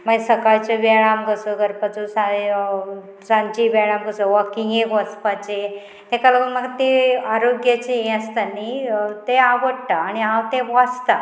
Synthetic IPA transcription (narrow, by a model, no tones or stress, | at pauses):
maɡesəkaɭt͡ɕeʋɛɭamɡəsəɡəɾpət͡sosa | sãɲt͡ɕiʋɛɭamɡəsəʋakĩŋekʋəspat͡ɕe | t̪ẽkaləumaɡt̪eaɾoɡjat͡ɕeẽəst̪anit̪eaʋəɽʈ̪aːɽ̃iɦãwt̪eʋast̪a